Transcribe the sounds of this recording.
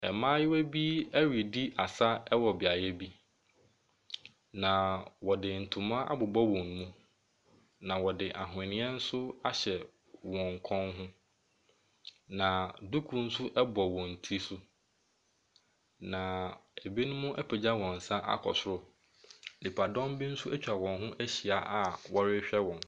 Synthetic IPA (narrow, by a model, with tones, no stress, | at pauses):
ɛ˨mãː˦jɪ˦wæ˦bi˦æ˦ɥi˨di˦ʔa˨sa˦ɛ˦wɔ˨bɪ˨a˨jɛ˦bi˦ | nã˨wɔ˨dɪ˨n̩˨tʰʊ̃˨mã˦ʔa̰˦bʊ˨bɔ˦wɔ̃˨ñ˨mũ˦ | nã˨wɔ˨dɪ˨ʔa˨ɦʊ˨ɪ̃˨nɪ̃˦ɛ˦n̩˦sʊ˦a˦ɕɛ˨ | wɔ̃˨ŋ˨kʰɔ̃˦nɦʊ̃˦ | nã˨du˦kʰu˦n̩˦sʊ˦ʔɛ˦bɔ˨wɔ̃˨n̩˨tʰi˦sʊ˦ | nã˨e˨bi˦nʊ̃˦mʊ̃˦ʔɛ˦pʰe˨d͡ʑa˦wɔ̃˨n̩˨sã˦ʔa̰˦kʰɔ̰˨sʊ˦ɾʊ˨ | nɪ˨pʰa˨dɔ̃˦m˦bi˦n̩˦sʊ˦ʔæ˦t͡ɕᶣa˨wɔ̃˨nɦʊ̃˦ʔæ˦ɕi˨a˨ʔa˦wɔ˦ɾɪ˦ɕᶣɛ˦wɔ̃˨n